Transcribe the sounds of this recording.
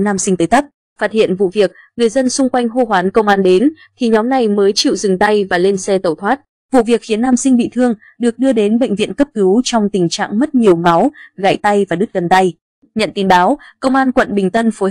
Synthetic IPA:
nːaː˧msï˧ŋ̟t̪əː˨˦jt̪a˦˥k̚ | faː˦˥t̚hḭ˧˨ənvṵ˧˨vi˨˩ək̚ | ŋɨ˨˩əjzə˧nsʊ˧ŋ͡mkwa˧jŋ̟ɦo˧ɦwaː˨˦nkə˧wŋ͡mʔaː˧nɗe˨˦n | t̪ʰi˨˩ɲɔ˨˦mna˨˩jməː˨˦jt͡ɕḭ˧˨wzɨ˨˩ŋt̪a˧jvaː˨˩le˧nsɛ˧t̪ə˨˩wt̪ʰwaː˦˥t̚ | vṵ˧˨vi˨˩ək̚xi˨˦ənːaː˧msï˧ŋ̟ɓḭ˧˨t̪ʰɨ˧əŋ | ɗɨ˨˩ək̚ɗɨ˧əɗe˨˦nɓə̰˧˨jŋ̟vḭ˧˨ənkə˦˥p̚kɨ˨˦wt͡ɕɔ˧wŋ͡mt̪ï˨˩ŋ̟t͡ɕa̰ː˧˨ŋmə˦˥t̚ɲi˨˩əwma˨˦wɣa̰ː˧˨jt̪a˧jvaː˨˩ɗɨ˦˥t̚ɣə˨˩nt̪a˧j | ɲə̰˧˨nt̪i˨˦nɓaː˨˦wkə˧wŋ͡mʔaː˧nkwə̰˧˨nɓï˨˩ŋ̟t̪ə˧nfo˨˦

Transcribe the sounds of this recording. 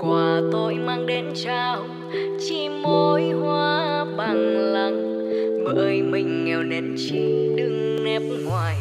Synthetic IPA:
kwaː˨˩t̪o˧jmaː˧ŋɗe˧nt͡ɕaː˧˩w | t͡ɕi˧mo˧jhwaː˧ɓaː˨˧˩ŋlə˧ŋ | ɓə̰ː˧˨˦jmï˨˩ŋ̟ːɛ˨˩wne˨˩n̚t͡ɕi˧˥ɗɨ˧ŋ | nɛ˧˥p̚ŋwaː˨˩j

